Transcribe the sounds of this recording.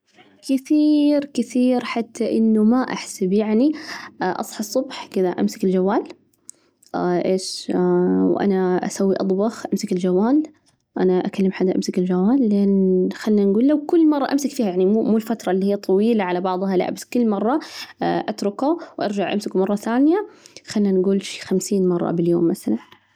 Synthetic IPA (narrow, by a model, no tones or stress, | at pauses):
kɪθiːɾkɪθiːɾħat̪ʰːaʔɪnːʊmaʔa̰ħsabjaʕniʔɑ̰sˤħɑsˤːʊbħkɪðaʔa̰msɪkɪld͡ʒawːaːl | ʔeːʃ | wʔa̰naʔa̰sawːiʔɑd̪ˤbɑxʔamsɪkɪld͡ʒawːaːl | ʔanaʔa̰kalːɪmħad̪ːaʔamsɪkɪld͡ʒawːaːlːʔanxalːnanɡuːlːawkʊlːmɑrˤːɑʔamsɪkfiːhajaʕnimumuːlfat̪ɾˤɑlːihɪjːat̪ˤʰɑwiːlaʕalabɑʕðˤhɑla̰ʔbaskʊlːmɑrˤːɑʔat̪ɾˤʊkawʔɑ̰ɾˤd͡ʒaʕʔa̰msɪkmɑrˤːɑθaːnjaxalːanɡuːlʃi̥xamsiːnmɑrˤːɑ̰bɪljoːmːaθalan